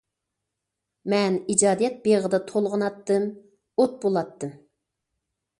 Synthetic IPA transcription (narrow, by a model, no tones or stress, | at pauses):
mɛnid͡ʒɑːd̪ijɛt̪̚beʁəd̪ɑt̪ʰolˠʁənɑt̪ːɨm | ot̪̚bolˠɑt̪ːɨm